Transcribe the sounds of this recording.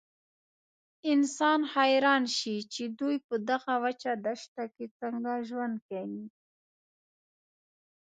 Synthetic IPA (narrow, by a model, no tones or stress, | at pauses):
ɪnsɑnxajɾɑnʃit͡ʃed̪ujpəd̪aɣawat͡ʃad̪aʃt̪aket͡saŋɡaʒwand̪̚kawi